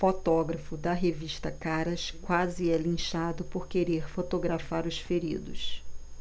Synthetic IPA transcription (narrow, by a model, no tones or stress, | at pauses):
fot̪ɔɡɾɐfʊd̪ɐɦeviʃt̪ɐkaɾɐskwazɪɛlĩʃad̪ʊpoɾkeɾeɾfot̪oɡɾafaɾʊsfeɾḭd̪ʊ̰s